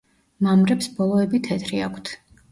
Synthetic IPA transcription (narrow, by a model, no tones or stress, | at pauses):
mamɾɛpsbɔlˠɔɛbit̪ʰɛt̪ʰɾiakʰt̪ʰ